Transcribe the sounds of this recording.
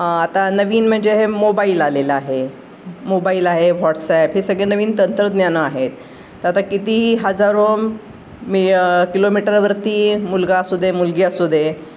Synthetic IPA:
at̪anəʋiːnm̤əɳd͡zeɦemobailaleləaɦe | mobailaɦeʋɔʈsɛpɦesəɡɭenəʋiːnt̪ənt̪ɾəd̪njanəaɦet̪ː | əat̪akit̪iɦiːɦəd͡zaɾo | mikilomiʈəɾʋəɾt̪iːmulɡasud̪ʱemulɡjasud̪ʱe

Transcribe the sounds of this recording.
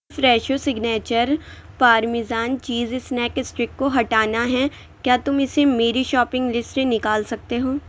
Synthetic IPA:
fɾɛːʃosɪɡneːt͡ʃəɾpaːɾmɪzaːnt͡ʃiːzɪsnɛːkɪsʈɾɪkːoɦɐʈaːnaɦɛ | kjaːt̪ʊmɪsemeːɾiʃɔːpɪ̃ŋɡlɪsʈmẽnɪkaːlsɐk̚t̪eɦoː

